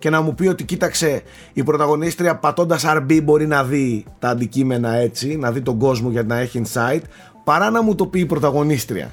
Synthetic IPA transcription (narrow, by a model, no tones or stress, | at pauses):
ce̞nɐmupio̞t̪icit̪ɐkse̞ | ipɾo̞t̪ɐɣo̞nist̪ɾiɐpɐt̪o̞nd̪ɐsɐɾbibo̞ɾinɐðit̪ɐːnd̪icime̞nɐe̞t͡sinɐðit̪o̞ɡo̞zmo̞ʝɐt̪nɐe̞çiinsɐit̪ | pɐɾɐnɐmut̪o̞piːpɾo̞t̪ɐɣo̞nist̪ɾḭɐ̰